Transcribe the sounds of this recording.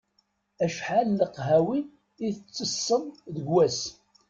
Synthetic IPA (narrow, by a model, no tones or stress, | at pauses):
æʃħalːəqːɦæwi | iθət͡sːəsːəmðəɡwæs